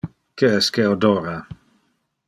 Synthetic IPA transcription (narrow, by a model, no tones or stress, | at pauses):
keɛskeod̪oɾa